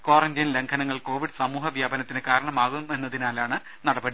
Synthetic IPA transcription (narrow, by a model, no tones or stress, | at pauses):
koːrɐndijɐnle̞ŋkʰɐnɐŋːɐɭko̞ːʋiɖsɐmuːɦɐʋjaːbɐnɐt̪ːinɨkaːɾɐɳɐmaːɣume̞nːɐðinaːlaːɳɨ | nɐɽɐbɐɽi